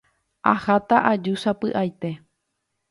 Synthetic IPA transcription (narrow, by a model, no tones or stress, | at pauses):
ahat̪aʔad͡ʒuʃapɨʔajt̪e̞